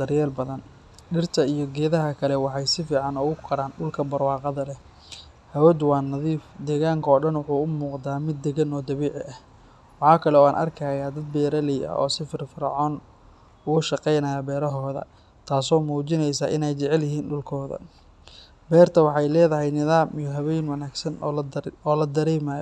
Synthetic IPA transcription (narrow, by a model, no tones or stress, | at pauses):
d̪̥ɐrjɛːlbɐðɐn | ɗɪrt̪ʰɐijɔɡɛːðɐɦɐkʰɐlɛwɑħɑjsɪfiːʕɑnɔːɣʊkʰɐɽaːnɖʊlkʰɐbɐrwɑːqɑðɐlɛ | hɐwɛd̪wɑːnɐðiːfd̪ɛːɣaːŋkʰɐɔːɖɐnwʊħuːʊmuːqd̪aːmɪd̪ːɛɣɐnɔːd̪ɐβiːʕɪ̰ʔɐh | wɑħɑːkʰɐlɛɔːaːnʔɐ̰rkʰaːjaːd̪ɐd̪̚bɛːɾɐlɛjɐ̰ɔ̰ːsɪfɪrfɐɾɑ̰ʕɔːn | ʊɣʊʃɑqɛjnɐjɐbɛːɾɐɦɔːðɐ̰ | t̪ʰaːsɔːmuːt͡ʃɪnɛjsaːʔɪnɛjt͡ʃɛʕɛljɪɦiːnɖʊlkʰɔːðɐ̰ | bɛːrt̪ʰɐwɑħɑjlɛːðɐɦɛjnɪðaːmʔɪjɔɦɐβɛjnwɐnaːɡsɐnɔːlɐd̪ɐɾɛːmaːjɔ